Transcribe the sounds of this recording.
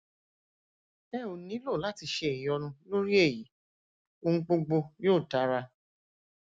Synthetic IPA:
ɛ̃˦˨o˨nĩ˨˦lo˦˨la˦ti˧ʃe˧˨e˨jɔ˧nũ˧lo˦ɾi˦e˦˨ji˨˦ | o˧ŋ̩̃˦k͡po˧ɡ͡bo˧joː˦˨ta˨˦ɾa˧

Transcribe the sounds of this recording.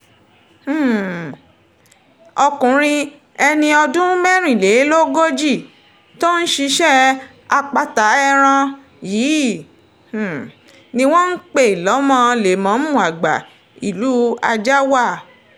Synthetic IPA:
ɔ˧kũ˨ɾ̃ĩ˧ | ɛ˧nĩ˧ɔ˧dũ˦mɛ˦ɾ̃ĩ˦˨le˨˦lo˦ɡo˦d͡ʒi˦˨ | to˦n̩˦ʃi˧ʃɛ˦ | a˧k͡pa˧ta˨˦ɛ˦˧ɾ̃ã˧ | jiː˨˦˨ | nĩ˧w̃ɔ̃˦n̩˦k͡pe˦˨lɔ˨˦mã˧le˨mã˨˦mũ˦˨a˨ɡ͡ba̰˨ | i˨lu˨˦a˧d͡ʒa˦wa˦˨

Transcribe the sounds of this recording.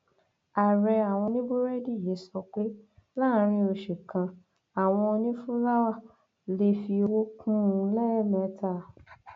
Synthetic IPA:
a˨ɾɛ˧a˨w̃ɔ̃˧nĩ˦bo˦ɾɛ˦di˦˨je˨˦sɔ˧k͡pe˦la˦˨˦ɾ̃ĩ˧o˧ʃe˨kã˧ | a˨w̃ɔ̃˧ɔ˧nĩ˦fũ˦la˦wa˦˨ | le˧˦fi˧wo˦kʰũ˦˨˧lɛ˦ɾɛ˦˨mɛ̃˨˦ta˦˨

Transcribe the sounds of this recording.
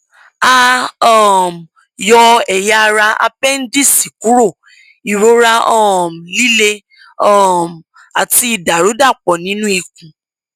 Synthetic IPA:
a˧ɔ˦˨m˨ | jɔ˧ɛ˨ja˦˧ɾa˧a̰˧pɛ˦n̩˦di˦˨si˨ku˨˦ɾo˦˨ | i˨ɾo˧˦ɾa˧ɔ˦˨m˨li˦le˧ | ɔ˦˨m˨ | a˨ti˧i˨da˨ɾu˨˦da˦˨k͡pɔ˨nĩ˦nũ˦i˧k̚ũ˨

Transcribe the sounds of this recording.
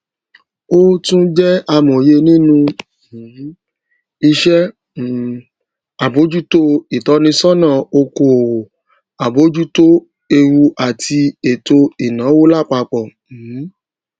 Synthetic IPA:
o˦tũ˦d͡ʒɛ˦a˧mõ˨je˧nĩ˦nũ˧˨˦ | i˧ʃɛ˦˨ | a˨bo˨˦d͡ʒu˦to˦i˨tɔ˨˦nĩ˧sɔ˦nã˦˨o˧ko˧˨ | a˨bo˨˦d͡ʒu˦to˦ | e˧ɾu˧ʔa˨tʰi˧e˨to˧i˨nã˨˦wo˦la˦˨k͡pa˧k͡pɔ˨˦

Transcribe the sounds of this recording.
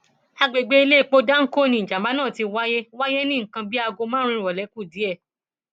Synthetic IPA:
a˧ɡ͡be˨ɡ͡be˦i˧˦le˦˨k͡po˧da˦ŋ̩˦ko˦˨nĩ˧˨d͡ʒa˨ma˨˦nãː˦˨ti˧wa˦je˦wa˦je˦nĩ˦ŋ̩˨kã˧bi˦a˧ɡo˧mãː˦ɾ̃ĩ˧˨ɔ˨lɛ˨˦ku˦˨di˨˦ɛ˦˨

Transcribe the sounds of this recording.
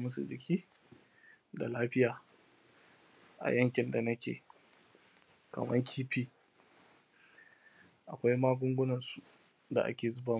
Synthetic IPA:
mʊ˦su˨d͡ʒɪ˨kʲiː˦ | da̰˨laː˦ɸɪ˦jaː˨ | ʔa̰˨jɐ˦ŋkʲɪ˨nda˨nɐ˦kʲḛː˨ | kɐ̰˨mɐ̰˦ŋkʲʰiː˦ɸiː˦ | ʔa˨kʷa˦jmaː˦ɡʷʊ˦ŋɡʷʊ˦nɐ˨nsu˨ | da̰˨ʔa̰˦kʲeː˨zʊ˦ba˦

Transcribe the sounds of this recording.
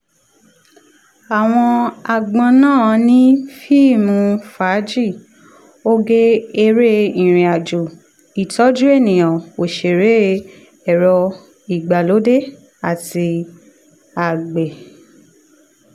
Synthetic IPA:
a˨w̃ɔ̃˧a˨ɡ͡bɔ̃˧nãː˦˨˧nĩ˦fi˦˨mũ˧fa˨˦d͡ʒi˦˨ | o˦ɡe˦e˧ɾe˦ĩ˨ɾ̃ĩ˨a˨d͡ʒu˨ | i˨tɔ˨˦d͡ʒu˦e˦˨nĩ˨j̃ã˨o˨ʃe˨ɾe˨˦ | ɛ˦˨ɾɔ˧ | i˨ɡ͡ba˨lo˨˦de˦ | a˦˨ti˧ | a˨ɡ͡be˨

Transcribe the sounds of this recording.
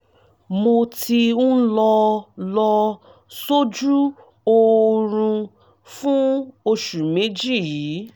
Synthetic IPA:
mo˧tʰi˧ũ˦lɔ˧lɔ˧ | so˦d͡ʒu˦ | o˧ɾũ˧ | fũ˦o˧ʃu˨me˨˦d͡ʒi˦˨ji˨˦

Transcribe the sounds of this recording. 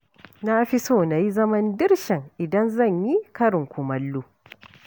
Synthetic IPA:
na˦ɸi˦soː˦˨na˨ji˦zɐ˦mɐ˦ndɪ˦rʃɪ˨ŋʔɪ˨dɐ˦nzɐ˦˨ɲji˦kɐ˦ɾɪ˨ŋkʷʊ˨mɐ˦lːuː˦

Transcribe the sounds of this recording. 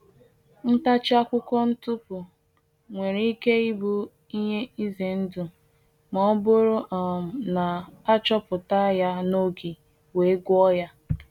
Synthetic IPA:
n̩˦ta˦t͡ʃɪ˦a˦kʷʊ˦kɔ˦n̩˦tʊ˦pʊ˨ | ŋʷe˨ɾi˦ke˦i˦bu˦ | i˦ɲe˦i˦ze˨n̩˦du˨ | mɔ˦bʊ˦ɾʊ˦ʔa˨m̩˨na˨a˦t͡ʃɔ˦pʊ˨ta˦ja˦no˦ɡi˨ | we˨˦ɡʊ˦ɔ˦ja˦

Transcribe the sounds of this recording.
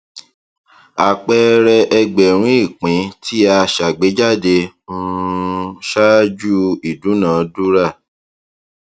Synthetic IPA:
a˨k͡pɛ˦ɾɛ˧ʔɛ˧ɡ͡bɛ˨ɾ̃ũ˦i˦˨k͡pĩ˨˦tʰi˦a˧ʃa˨ɡ͡be˨˦d͡ʒa˦˨de˧ | ũ˦˧ | ʃa˦d͡ʒu˦i˨dũ˨˦nãː˨du˦ɾa˦˨

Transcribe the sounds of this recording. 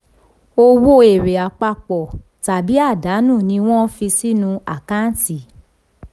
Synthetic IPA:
o˧wo˦e˨ɾe˨a˨k͡pa˧k͡pɔ˨ | ta˨bi˨˦a˦˨da˨˦nũ˦˨nĩ˧w̃ɔ̃˦fi˧si˦nũ˧a̰˨kã˦n˦ti˨

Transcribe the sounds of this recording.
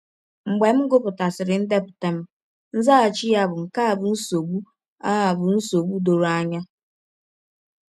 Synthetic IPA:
ŋ͡m̩˨ɡ͡be˨m̩˦ɡʊ˦pʊ˨ta˨sɪ˨ɾɪ˨n̩˦de˦pʊ̥˨te˨m̩˦ | n̩˦za˦a˨t͡ʃi˦ja˦bʊ˨ŋ̩˨ka˦a˨bʊ˨n̩˦so˨ɡ͡bu˦ | a˦ɦa˨bʊ˨n̩˦so˨ɡ͡bu˦do˨ɾa˦ɲa˦

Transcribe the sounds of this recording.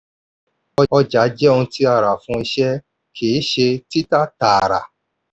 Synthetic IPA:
ɔ˧ɔ˧d͡ʒa˨˦d͡ʒɛ˦õ˧ti˦a˦˨ɾa˨fũ˧i˧ʃɛ˦ | kʰeː˨˦ʃe˧ti˦ta˦ta˨ɾa̰˨

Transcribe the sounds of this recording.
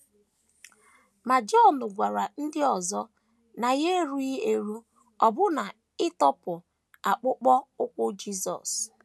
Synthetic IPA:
ma˨d͡ʒɔ˦nʊ˨ɡʷa˨ɾa˨n̩˦dɪ˦ɔ˨zɔ˦ | na˨ɣe˦ɾu˦i˦e˨ɾu˦ | ɔ˨bʊ˦na˨ | ɪ˦tɔ˦pʊ˨ | a˨k͡pʊ˦k͡pɔ˦ʊ˦kʷʊ˦d͡ʒi˦sɔ̰˨s

